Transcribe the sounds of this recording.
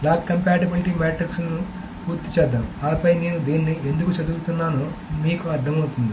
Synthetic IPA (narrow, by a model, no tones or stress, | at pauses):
laːkkːɐmpaːʈibiliʈiːmaːʈrɐksnu | puːɾt̪it͡ʃɛːd̪ːaːmaːɐpɐjneːnud̪iːnːie̞nd̪ukut͡ʃɐd̪uːt̪unːaːnumiːkuɐɾd̪ʱɐmɐwt̪und̪i